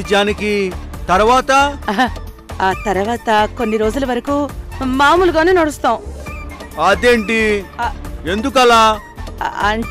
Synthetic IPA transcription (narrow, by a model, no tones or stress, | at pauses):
d͡ʒaːnikit̪ɐɾʋaːt̪ɐ | aːt̪ɐɾuʋaːt̪ɐko̞nːiɾo̞ːd͡ʒulɐʋɐɾɐkuːmaːmuluɡaːnuːnɐɽust̪aːwũ | aːd̪eːɳʈi | e̞nd̪uk̬ɐlaː | ɐɳ